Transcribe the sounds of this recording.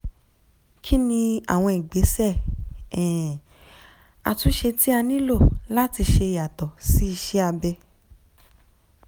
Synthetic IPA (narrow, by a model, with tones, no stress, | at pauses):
kʰi˦nĩ˧a̰˨w̃ɔ̃˧i˨ɡ͡be˨˦sɛ˦˨ɛ̃˨ | a̰˧tu˦ʃe˧ti˦a˧nĩ˦lo˦˨la˦ti˧ʃe˧˨ja˨tɔ˨si˦i˧ʃɛ˦a˧bɛ˧